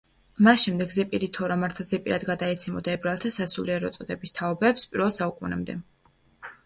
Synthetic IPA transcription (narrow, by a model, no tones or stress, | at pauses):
masʃɛmd̪ɛɡzɛpʼiɾit̪ʰɔɾamaɾt̪ʰzɛpʼiɾad̪ɡad̪aɛt̪sʰɛmɔd̪aɛbɾalˠt̪ʰasasuliɛɾɔ̰t̪sʼɔd̪ɛbist̪ʰaɔbɛːpspʼiɾwɛlˠsaukʼunɛ̰md̪ɛ